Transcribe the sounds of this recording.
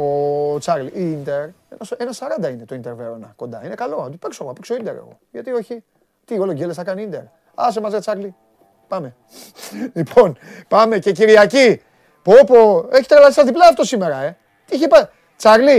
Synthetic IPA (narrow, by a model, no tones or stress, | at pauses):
ot͡sɐɾliint̪e̞ɾenɐsenɐsɐɾɐnd̪ɐinet̪oint̪e̞ɾveɾonɐ̰ko̞nd̪ɐ̰ine̞kɐlo̞ɐt̪ipekso̞ɣoɐpeksoind̪e̞ɾḛɣo̞̰jʝɐt̪io̞çi | t̪io̞lo̞ɟelesɐkɐniind̪e̞̰ɾ | ɐ̰s̬emɐzet͡sɐɾli | pɐme̞ | lipʰo̞n | pɐme̞ce̞ciɾiɐci | popo̞e̞çi̥t̪ɾelɐðisɐzðiplɐːft̪o̞sime̞ɾɐe̞ | t̪içepɐ | t͡sɐɾli